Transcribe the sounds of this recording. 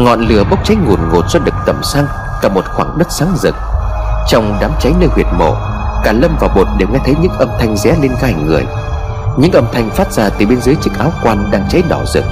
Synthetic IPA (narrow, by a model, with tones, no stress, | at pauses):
ŋɔ̰˧˨nlɨ˨˧˩əɓə˦˥wk͡p̚t͡ɕa˨˦jŋu˨˩nŋo˨˩t̚z̥ɔ˧ɗɨ˨˩k̚t̪ə˨˩msaː˧ŋ | kaː˨˧˩mo˨˩t̚xwaː˧˩ŋɗə˦˥t̚saː˨˦ŋzɨ̰˨˩k̚t͡ɕɔ˧wŋ͡mɗaː˨˦mt͡ɕa˨˦jnəː˧jhwi˨˩ət̚mo̰˧˩ | kaː˧˩lə˧mvaː˨˩wɓo˨˩t̚ɗe˨˩wŋɛ˧˥jt̪ʰə˨˦jɲɨ̰˧˥ŋʔə˧mt̪ʰa˧jŋ̟zɛ̰˧˥li˧nɣaː˧jŋɨ˨˩əj | ɲɨ̰˧˥ŋʔə˧mt̪ʰa˧jŋ̟faː˦˥t̚z̥aː˧˩t̪ɨ˨˩ɓe˧nzəː˨˦jt͡ɕɨ˦˥k̚ʔaː˨˦wkwaː˧nɗaː˧ŋt͡ɕa˨˦jnɔ˧˩zɨ̰˨˩k̚